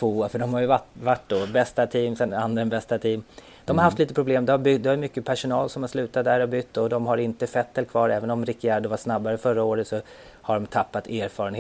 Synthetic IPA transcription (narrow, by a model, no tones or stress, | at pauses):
t̪voːfœɖɔmhaɾjɵvaʈvaʈːd̪ɔbɛst̪at̪ʰiːmsɛnand̪ɾənbɛst̪at̪ʰiːm | d̪̥ɔmhaɾhaft̪liːt̪əpʰɾʊbleːmd̪ɛhaɾbʏɡd̪ɛhaɾmʏkːəpʰæʂʊnɑːlsɔmhaɾʂlʉ̟ːt̪at̪d̪æɾɔbʏt̪ːɔd̪ɔmɦaɾɪnt̪əfɛt̪ːɛlkʰvɑːɾɛːvənɔmɾɪkːɪæːɾd̪ɔvaʂnabːaɾəfœɾːaoːɾət̪sɔ | haɖɔmt̪ʰapːat̪eːɾfɑːɾəne